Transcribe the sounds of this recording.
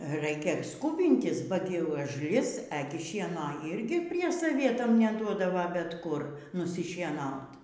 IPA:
ˈrɐɪkʲɛ ˈskuːbʲɪnʲtʲɪs bɐ ˈtʲɪ ʊʒʲˈlʲɪs ˈæːɡʲɪ ˈʃʲiɛnoː ɪrʲɡʲɪ pʲrʲiɛ sɐˈʋʲiɛtɐm nʲɛˈduɔdɐʋɐ bʲɛt ˈkʊr nʊsʲɪʃʲiɛˈnɐʊt

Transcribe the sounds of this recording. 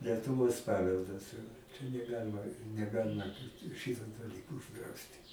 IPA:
lʲɛtʊˈʋoːs ˈpɑːʋʲɛlˠdɐs t͡ʃʲɛ nʲɛˈɡɑːlʲɪmɐ nʲɛˈɡɑːlʲɪmɐ ˈʃʲɪtoː dɐˈlʲiːkoː ʊʒˈdrɐʊsʲtʲɪ

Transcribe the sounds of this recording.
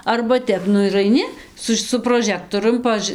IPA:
ɐrbɐ ˈtʲɛp ˈnʊ ɪr ɐɪˈnʲɪ ˈsʊs sʊ proːˈʒʲæːktoːrʲʊm pɐˈʒɨ

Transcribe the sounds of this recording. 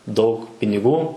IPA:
dɐʊk pʲɪnʲɪˈɡuː

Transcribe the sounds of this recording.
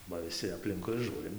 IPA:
bɐ ʋʲɪˈsʲɪ ɐpʲˈlʲɪŋkʊɪ ˈʒuːrʲɪm

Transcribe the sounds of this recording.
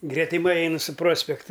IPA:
ɡrʲɛtʲɪˈmɐɪ ˈɐɪnɨ sʊ ˈproːsʲpʲɛktɐ

